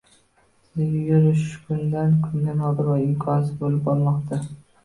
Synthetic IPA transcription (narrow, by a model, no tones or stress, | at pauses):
ɪɡʲjʊɾɪʃkʰʊnd̪ankʰʊnd̪anɒb̪ɪɾvaɪmkʰɒsɪbolɪpɒlˠmɒqt̪ʰa